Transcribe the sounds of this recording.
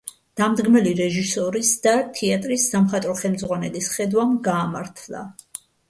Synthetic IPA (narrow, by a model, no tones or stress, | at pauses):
d̪̥amd̪ɡmɛliɾɛʒisɔɾisd̪̥at̪ʰiat̪ʼɾisːamχat̪ʼɾɔχɛlmd̪zʁwanɛlisχɛd̪wamɡaːmaɾt̪ʰlˠa̰